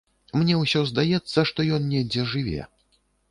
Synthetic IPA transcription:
mnʲɛwsʲɔzd̪ajɛt̪sːɐʂt̪ɔjɔnnʲɛd͡zʲɛʐɨvʲɛ̰

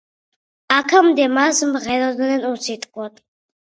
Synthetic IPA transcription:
akʰamd̪ɛmasmʁɛɾɔd̪nɛnusit̪ʼqʼwɔt̪ʰʼ

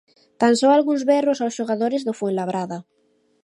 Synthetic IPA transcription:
t̪ansoalɣuŋzβɛrosawsʃoɣaðoɾezðofwenlaβɾaða

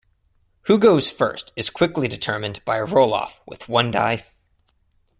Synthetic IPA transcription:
huɡoʊz̥fɜ̰˞stɨz̥kʰw̥ɪklidɨtʰɜ˞mɨ̃nb̥aɪəɹoʊlˠɔ̰fwɨ̰ð̥wʌ̃nda̰ɪ

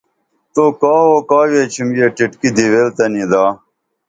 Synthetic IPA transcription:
t̪oːkaːɦoːkaːweːt͡ɕʰimjeːʈiʈkid̪iweːlt̪ɐnid̪aː

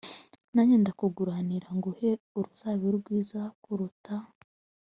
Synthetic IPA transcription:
naɲeːndakuɡuɾaniɾaŋɡuhe̞ | uɾusaβiɾɡwiːzakuɾuta

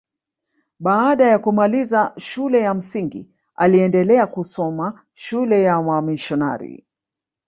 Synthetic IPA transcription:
ɓaːɗajakumalizaʃulɛjam̩siŋɡḭ | aliɛndɛlɛakusɔma | ʃulɛjawamiʃɔna̰ɾḭ

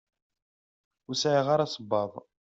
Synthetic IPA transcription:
ʊsʕiʁaɾasˤəbːɑðˤ

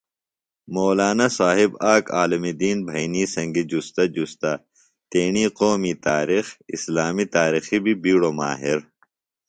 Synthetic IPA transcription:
moːlaːnasaːɦibaːkaːlɐmid̪iːnbʱɐjniːsɐ̃ŋɡid͡ʑust̪ɐd͡ʑust̪a | t̪eːɳiːqoːmit̪aːɾixḭslaːmit̪aːɾixibʱibiːɽoma̰ːɦiɾ

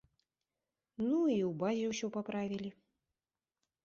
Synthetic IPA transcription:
nuiwbazʲɛwsʲɔpapɾavʲilʲi

